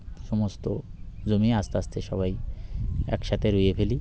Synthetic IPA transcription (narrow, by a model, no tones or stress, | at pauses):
ʃɔmost̪ozomiast̪ast̪ʰeʃɔβaj | ɛ̰kʃat̪ʰeɾojefeli